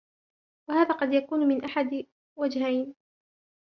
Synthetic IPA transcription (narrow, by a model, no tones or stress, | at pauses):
wahaːðaːqɑd̪jakuːnʊmɪnʔaħad̪ | wad͡ʒhajn